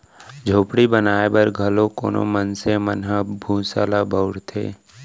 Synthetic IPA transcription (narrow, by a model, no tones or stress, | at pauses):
d͡ʒʱoːpɽibənaːebəɾɡʱəlokoːno̰mənsemənɦəbʱũːsa̰ːlabʱəʊɽt̪ʰḛː